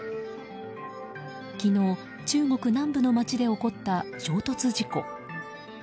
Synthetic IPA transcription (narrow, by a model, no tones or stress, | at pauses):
kʲino̞ː | t͡ɕɨːŋo̞kɯ̟nãmbɯ̟no̞mat͡ɕid̪e̞o̞ko̞t̪ːaɕo̞ːt̪o̞t͡sɨʑiko̞